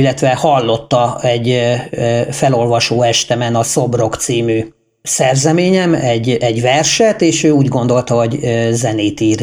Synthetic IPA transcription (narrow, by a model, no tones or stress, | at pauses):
ilːɛt̪ʋɛhɒlːo̞t̪ːɒɛɟ | fɛlo̞lvɒʃoːɛʃt̪ɛmɛnɒsobro̞kt̪siːmy | sɛrzɛmeːɲɛmɛɟːɛɟvɛrʃɛt̪eːʃøːuːɟɡo̞nd̪o̞lt̪ɒɦo̞ɟzɛneːt̪iːr